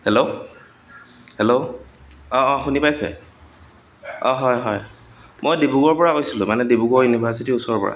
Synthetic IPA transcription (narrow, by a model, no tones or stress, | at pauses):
hɛlo | hɛlo | ɔ̃ɔ̃xunipajsɛ̰ | ɔ̃ɦɔjɦɔjmojdebuɡɔɹpɔɹakojsilʊ̰̃manɛdebuɡɔɹjunibʱaɹsitiusɔɹɔpɔ̰ɹa̰